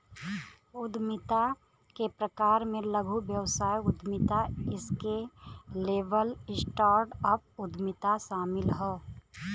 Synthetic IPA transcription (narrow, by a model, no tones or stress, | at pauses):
ʊd̪mɪt̪a | kepɾəkaːɾmẽləɡʱubjəwsaːjʊd̪ʱmɪt̪aɪskeleːʋəlɪsʈaːɾʈəpʊd̪ʱmɪt̪aʃaːmɪlɦɛː